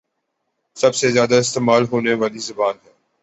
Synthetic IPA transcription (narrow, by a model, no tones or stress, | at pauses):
sɐbsezjaːd̪aɪst̪eːmaːlɦoːneʋaːlizɐbaːnɦɛː